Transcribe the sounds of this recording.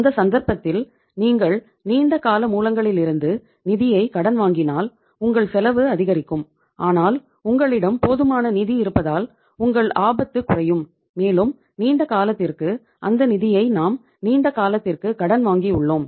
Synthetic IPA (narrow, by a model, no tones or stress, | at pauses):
nd̪ɐsɐnd̪ɐɾpɐt̪ːɪl | niːŋɡɐɭ | niːɳɖɐkaːlɐmuːlɐŋɡɐɭɪlɪɾɯnd̪ɯ | nɪðɪjɐɪkɐɽɐnʋaːŋɡɪnaːl | ʊŋɡɐɭsɛlɐʋɯɐðɪɣɐɾɪkːɯm | ʔaːnaːl | ʊŋɡɐɭɪɽɐmpoːðɯmaːnɐnɪðiɪɾɯpːɐðaːl | ʊŋɡɐɭaːbɐt̪ːɯkːʊrɐjɯmː | eːlɯm | niːɳɖɐkaːlɐt̪ːɪrkɯ | ʔɐnd̪ɐnɪðɪjɐɪnaːm | niːɳɖɐkaːlɐt̪ːɪrkɯkɐɽɐnʋaːŋɡiʊɭːoːm